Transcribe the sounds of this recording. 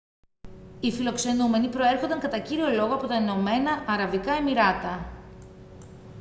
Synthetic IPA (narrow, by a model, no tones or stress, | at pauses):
ifilo̞kse̞nume̞nipɾo̞e̞ɾxond̪ɐŋkɐt̪ɐciɾio̞lo̞ɣo̞ɐpo̞t̪ɐeno̞me̞nɐʔːɾɐvikɐe̞miɾɐt̪ɐ